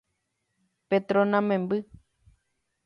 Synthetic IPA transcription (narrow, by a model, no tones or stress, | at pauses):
pet̪ɾonãmẽmbɨ